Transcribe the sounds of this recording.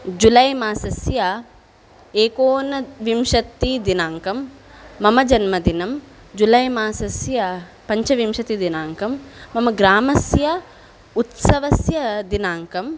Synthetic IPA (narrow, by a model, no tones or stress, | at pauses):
d͡ʒulɐjmaːsɐsjɐ | eːkoːnɐʋimʃɐt̪ːid̪inaːŋkɐmː | ɐmɐd͡ʒɐnmɐd̪inɐm | d͡ʒulɐjmaːsɐsjɐ | pɐɲt͡ʃɐʋimʃɐt̪id̪inaːŋkɐmːɐmɐɡɾaːmɐsjɐ | ut̪sɐʋɐsjɐd̪inaːŋkɐm